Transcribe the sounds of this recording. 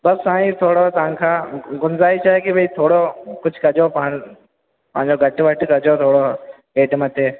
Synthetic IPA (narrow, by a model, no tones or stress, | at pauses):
bɐsaːĩt̪ʰoːɽot̪ɐʋãkʰãːɡʊnzaːit͡ʃaːekibʱɐiːt̪ʰoːɽokʊd͡ʒʱkɐd͡ʒop | pɐɦɪ̃ɲd͡ʑoɡʱɐʈʋɐʈkɐd͡ʒot̪ʰoːɽo | ɡeːʈmɐt̪ʰeː